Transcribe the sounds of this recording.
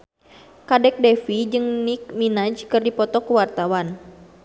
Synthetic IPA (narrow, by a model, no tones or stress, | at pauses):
kadɛk̚dɛfid͡ʒɨŋnik̚minad͡ʒkɨrdipɔt̪ɔkuwart̪awan